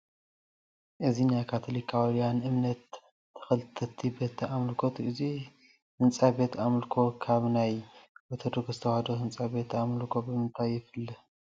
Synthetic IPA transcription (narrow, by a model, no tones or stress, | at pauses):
ʔɨzinajkʰat̪ʰolikʰawɾjanʔɨmnɐt̪ː | ɐ̥xɐlɨt̪ʰɐt̪ʰːibɐt̪ʰːiamlkʰot̪ʰʔɨzi | hɨnt͡sʼabe̞t̪amɨlkʰo̞kʰaβnajwɔt̪ʰɐd̪oɡzɨt̪ʰɐwaɐd̪oɦɨnt͡sʼabe̞t̪amlkʰo̞bɨmɨnt̪ʰajɪfɨlːɐ